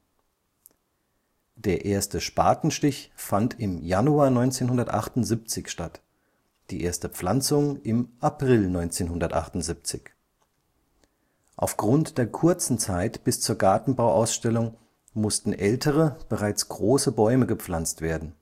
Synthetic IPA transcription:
d̥eːɐʔeːɐstəʃpa̰ːtn̩ʃtɪçfantʰɪmjanuaːnɔʏnt͡seːnhʊndɐtʔa̰χtʊnzip̚t͡sɪçʃtat | d̥iːʔeːɐstəp͡flant͡sʊŋɪmʔapʁ̥ɪlnɔʏnt͡seːnɦʊndɐtʔa̰χtʊntz̥ip̚t͡sɪç | ʔa̰ʊfɡ̥ʁʊntd̥eːɐkʰʊɐt͡sn̩t͡saɪtb̥ɪst͡suːɐɡaɐtn̩baʊʔaʊsʃtɛlʊŋ | mʊstn̩ʔɛltʰəʁəb̥əʁaɪt͡sɡ̥ʁoːsəbɔʏməɡəp͡flant͡stv̥eːɐdn̩

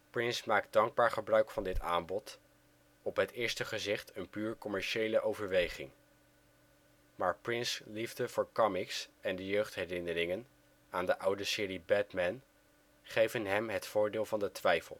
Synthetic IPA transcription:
prɪnsmaːkt̚dɑŋɡ̚baːɹχəbrœɥkfɑndɪta̰ːmbɔt | ɔpɦətɪːɹstəχəzɪχtənpyːɹkɔmɛɹʃejləʔowvəɹʋejχɪŋ | maːɹprɪnslivdəvʊːɹkɑmɪksɛndəjøɥχtɦɛrɪnəɾɪŋən | aːndəʔʌwdəsɪːɾibɛtmɛn | χejvənɦɛmɦətfʊːɹdɪːlˠvɑndətʋɛjfə̰lˠ

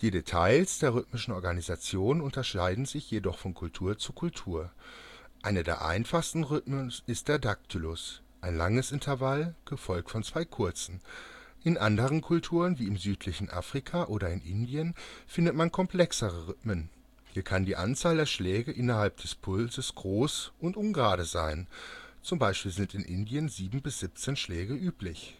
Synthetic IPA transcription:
d̥iːdetʰa̰ɪlsd̥eːɐʁʏtmɪʃn̩ɔɐɡanizat͡sjoːnnʊntɐʃaɪdn̩zɪçjedɔχfɔnkʰʊltʰuːɐt͡sukʰʊltʰuːɐ | ʔaɪnədḛːɐʔa̰ɪnfaχstn̩ʁʏtmənɪst̚d̥eːɐdak̚tʰylʊs | ʔaɪnlaŋəsɪntʰɐvalɡ̥əfɔlk̚tfɔnt͡sv̥aɪkʰʊɐt͡sn̩ʔɪnʔandəʁ̞ənkʰʊltʰuːʁənviːɪmzyːtʰlɪçn̩ʔa̰ːfʁ̥ikʰaʔoːɾɐɪnʔɪ̰ndiənfɪndətmankʰɔmpl̥ɛksəʁ̞əʁʏtmən | hiːɐkʰandiːʔa̰nt͡saːldeːɐʃlɛːɡəʔɪnɐɦalp̚d̥ɛspʰʊlzəsɡ̥ʁoːsʔʊntʔʊnɡʁaːɾəza̰ɪnt͡sʊmbaɪʃpiːlzɪntɪnʔɪndiənziːbm̩bɪsz̥ɪp̚t͡senʃlɛːɡəʔyːplɪç

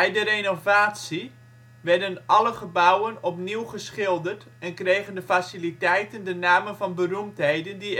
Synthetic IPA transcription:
ɛjdərejnovaːtsi | ʋɛrdənʔɑləχəbawənɔpniwχəsχɪlˠdərt | ɛnkrejɣəndəfasilitɛjtəndənaːmənvɑnbərumtɦejdəndi

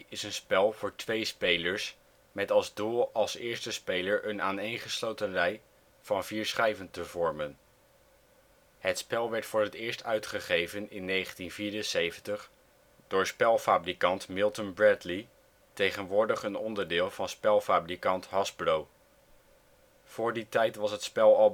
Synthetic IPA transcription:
ɪsənspɛlˠvʊːɹtʋejspejləɹs | mɛtɑlˠzduːlˠɑlˠsɪːɹstəspejləɹʔənaːnejŋχəslowtənrɛj | v̥ɑnviːɹsχɛjvəntəvɔɹmən | ɦətspɛlˠʋɛɹtfʊːɹɦətɪːɹstœɥtχəχejvənɪnːejχəntinviːɹənsejvəntəχ | d̥ʊːɹspɛlˠfaːbrikɑntmɪlˠtənbɹɛtli | tejχənʋʊːɹdəχənɔndəɹdɪːlˠvɑnspɛlˠfaːbrikɑntɦɑsblow | v̥ʊːɹditɛjtʋɑsɦətspɛlˠɑ

